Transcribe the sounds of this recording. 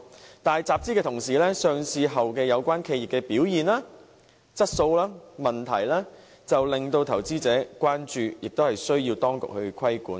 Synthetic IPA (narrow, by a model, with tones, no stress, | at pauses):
t̪aː˨jt͡saː˨p̚t͡siː˥kɛː˧t̪ʰʊ˨˩ŋsiː˨˩lɛː˥sœː˨˧ŋsʰiː˧ɦɐ˨wkɛː˧jɐ˨˧wkʷaː˥nkʰe˧ji˨p̚kɛː˧piː˨˥wjiː˨nlaː˥ | t͡sɐ˥t̚so˧wlaː˥mɐ˨nt̪ʰɐ̰˨˩jlaː˥ | t͡sɐ˨wlɪ˨˩ŋt̪o˧wt̪ʰɐ˨˩wt͡siː˥t͡sɛː˨˥kʷaː˥nt͡ʃyː˨jɪ˨k̚t̪whɐ˨jsɵ˥ɥjiː˧wt̪ɔː˥ŋkʊ̰˨k̚hɵ˧ɥkʰɐ˥jkuː˨˥n